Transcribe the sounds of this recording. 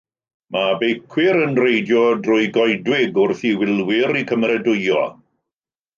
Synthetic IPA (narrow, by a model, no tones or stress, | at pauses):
mabejkʰwɪɾənrejdjɔdrʊɨɡɔjdwɪɡʊrθiwɪlˠwɪɾikʰəmrɛdʊjɔ̰